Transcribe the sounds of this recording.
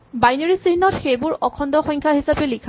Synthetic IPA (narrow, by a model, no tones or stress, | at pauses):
bajneɹisiɦinɔtxejbʊɹɔkʰɔndɔxɔjŋkʰaɦisapɛlikʰa